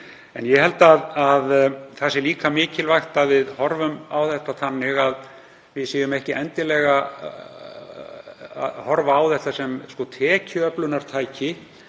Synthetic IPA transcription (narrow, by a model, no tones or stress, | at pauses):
ɛnjɛhɛlt̪aðaðθasɪliːkamɪːcɪlvajxt̪aðvɪðhɔɾvʏmawθɛht̪aθanːɪɣað | vɪðsiːjʏmɛhcɪʔɛnt̪ɪlɛːɣa | a̰ðhɔɾvaːwθɛht̪asɛmskɔt̪ʰɛːcʏœplʏnaɾ̥t̪ʰaːjcɪ